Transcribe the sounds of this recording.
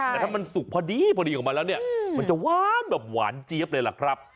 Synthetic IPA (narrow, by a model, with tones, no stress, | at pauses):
ɛː˨˩t̪ʰa˧˥˩ma˧nsu˨˩k̚pʰɔː˧diː˧pʰɔː˧di˧kʰɔː˩˦ma˧lɛː˦˥wni˥˩ɐma˧nt͡ɕa˨˩waː˥˩nbɛː˨˩p̚wa̰ː˩˦nt͡ɕi˦ə˦p̚lɤː˧la̰˨˩kʰɾa˦˥p̚